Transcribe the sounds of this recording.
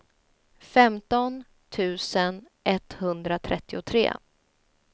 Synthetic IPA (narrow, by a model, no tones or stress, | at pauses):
fɛmt̪ɔn | t̪ʰʉ̟ːsən | ʔɛt̪hɵnd̪ɾat̪ʰɾɛt̪ːɪʊt̪ʰɾḛː